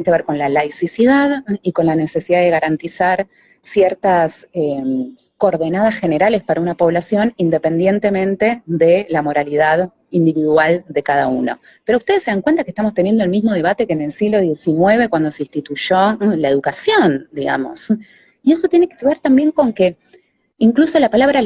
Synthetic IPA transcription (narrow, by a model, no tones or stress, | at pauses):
keβeɾko̞nlalajsisiðaðiko̞nlane̞se̞siðaðe̞ɣaɾant̪isaɾ | sjeɾt̪asem | koɾðe̞nað̞asxe̞ne̞ɾale̞spaɾaunapo̞βlasjo̞nind̪e̞pe̞nd̪je̞nt̪e̞mẽ̞nt̪e̞ðe̞lamo̞ɾaliðað | ind̪iβiðwald̪e̞kaðauno̰ | peɾoust̪e̞ðesːe̞ðaŋkwe̞nt̪akest̪amost̪e̞njend̪olmizmo̞ð̞e̞β̞at̪ekeːne̞lsiɣlo̞ð̞je̞sinweβ̞e̞kwand̪o̞seĩnst̪it̪uʒo̞lae̞ðukasjo̞nd̪iɣa̰mo̞̰s | ie̞sot̪jenekeβeɾt̪ambje̞ŋko̞ŋke̞ | iŋkluso̞lapalaβɾa